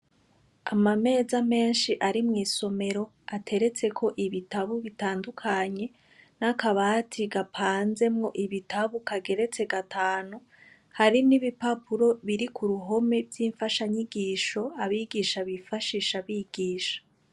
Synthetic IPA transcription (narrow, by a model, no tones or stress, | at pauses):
amame̞ːzame̞ːnʃiʔaɾimŋiːso̞me̞ɾo̞ | atʰe̞ɾe̞t͡se̞kʰo̞ʔiβitaβuβitaːndukʰaɲe̞ | nakaβaːtʰiɡapʰaːnze̞mŋo̞ʔiβitʰaβukaɡe̞ɾe̞t͡se̞ɡatʰaːnu | haɾiniβipapuɾo̞βiɾikʰuɾuɦo̞me̞bɟiːɱfaʃaɲiɡiːʃo̞aβiɡiʃaβifaʃiʃaβiɡ̥iːʃḁ